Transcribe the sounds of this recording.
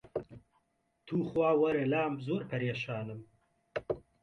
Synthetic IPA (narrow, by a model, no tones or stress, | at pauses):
t̪ʰuːxwaːwɐɾelaːmzoːɾpʰɐɾeːʃaːnɨm